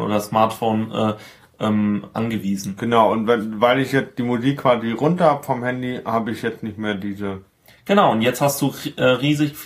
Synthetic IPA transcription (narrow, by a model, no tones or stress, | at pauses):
ʔo̰ːdɐsmaɐtfoːnʔɛː | ʔɛːmʔa̰nɡəviːzn̩ɡ̥ənaʊʊntvɛnvaɪlɪçjɛt͡std̥iːmuziːkʰːv̥aːziʁʊntɐhaːbəfɔmhɛndihaːbəɪçjɛt͡stnɪçtmeːɐdiːzə | ɡ̥ənaʊʊntjɛt͡sthastd̥uːʔɛːʁiːzɪç